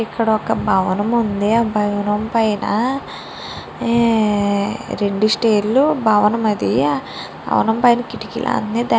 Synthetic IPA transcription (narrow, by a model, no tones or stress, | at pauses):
ikːɐɽɐɔkɐbʱɐʋɐnɐmund̪iabʱɐʋɐnɐmpɐjnɐ̰ | ɾeɳɖusʈeːɾlubʱɐʋɐnɐmɐd̪ija | bɐ̰ʋɐ̰nɐmpɐjnɐkiʈikḭlʔa̰ɐ̰nːeːd̪a